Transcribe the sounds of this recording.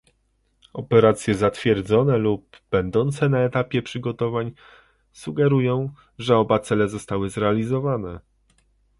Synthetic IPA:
ɔpɛɾat̪sʲjɛzat̪fʲjɛɾd̪zɔnɛlub̥ːɛnd̪ɔnt̪sɛnaɛt̪apʲjɛpʂɘɡɔt̪ɔvaɲ | suɡɛɾujɔ̃w̃ | ʐɛɔbat̪sɛlɛzɔst̪awɘzɾɛalʲizɔvanɛ

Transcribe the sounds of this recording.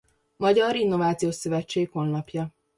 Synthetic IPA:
mɒɟɒɾinːo̞vaːt̪sijoːʃsøvɛt͡ʃːeːkho̞lːɒpjɒ

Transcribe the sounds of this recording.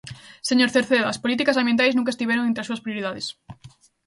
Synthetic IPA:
seɲoɾθeɾθeðːspolit̪ikasambjent̪ajznũŋkaest̪iβeɾoŋẽnt̪ɾasuɐspɾioɾiðaðes

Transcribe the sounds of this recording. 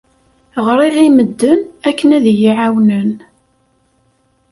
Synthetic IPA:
ʁəɾˤiʁiməd̪ːənækːənæðjiʕawnən

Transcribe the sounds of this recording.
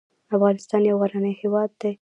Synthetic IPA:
afɣɑnɪst̪ɑnjawɣaɾanəjhewɑd̪ːe

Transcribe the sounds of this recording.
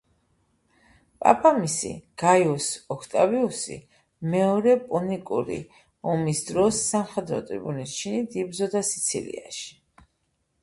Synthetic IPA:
pʼa̰pʰamisḭɡ̥ajɔsɔkʰt̪ʼabiusḭ | mɛɔɾɛpʼunikʼuɾḭ | ɔmisd̪ɾɔsːamχɛd̪ɾɔ̰t̪ʼɾḭbunist͡ʃʰinid̪ibzɔd̪asi̥t̪sʰḭlḭaʃi̥

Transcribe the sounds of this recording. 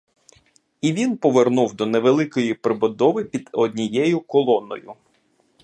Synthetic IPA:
iʋʲinpɔʋernuwd̪ɔneʋelˠɪkɔjipɾɪbɔd̪ɔʋɪpʲid̪ɔd̪ʲnʲijɛjʊkɔlˠɔnɔ̰jʊ̰

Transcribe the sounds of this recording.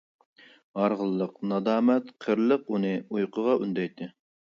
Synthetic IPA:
ɑɾʁəlˠːəqnɑd̪ɑːmɛt̪qʰəɾlˠəqunɨujqʰəʁɑʔund̪ɛjt̪ʰɨ

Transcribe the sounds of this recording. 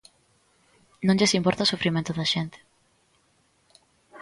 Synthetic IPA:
nõnʲʎesimpɔɾt̪asufɾimẽnt̪uðaʃent̪

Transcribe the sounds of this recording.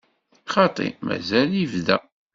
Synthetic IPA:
χɑt̪ˤḭmæ̰zælivðæ

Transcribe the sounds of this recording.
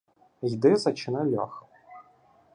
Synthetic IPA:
jd̪ɪzɐt͡ʃɪnɛlʲa̰x

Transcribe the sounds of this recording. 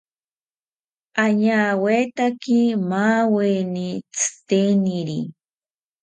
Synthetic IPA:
aɲaːwet̪akimaːwenit͡sɨ̥t̪eniɾḭ

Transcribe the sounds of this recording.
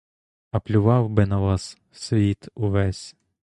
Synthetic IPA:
ɐplʲʊʋɑwbɪnɐʋɑs | sʲʋʲit̪uʋɛsʲ

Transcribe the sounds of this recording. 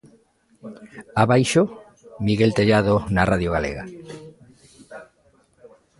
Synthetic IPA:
aβajʃo | miɣelt̪eʎaðonarʔaðjoɣalḛɣa̰

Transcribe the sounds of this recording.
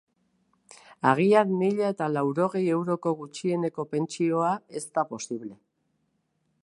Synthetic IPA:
aɣ̞iaɾmiʎae̞t̪alawɾo̞ɣ̞e̞je̞wɾo̞ko̞ɣ̞ut͡ʃie̞ne̞ko̞pe̞nt͡ʃio̞ae̞st̪apo̞siβle̞

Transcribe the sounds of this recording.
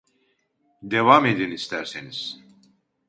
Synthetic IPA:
d̪evame̞d̪inist̪ʰæɾseniz̥

